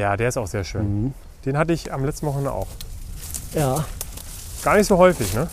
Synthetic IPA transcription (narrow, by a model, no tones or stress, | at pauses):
jaːdeːɐɪstaʊxz̥eːɐʃøːn | d̥eːnhatəɪçamlɛt͡stn̩vɔχŋ̩n̩ʔa̰ʊx | jaː | ɡ̥aːɐnɪçtz̥oːɦɔʏfɪçnə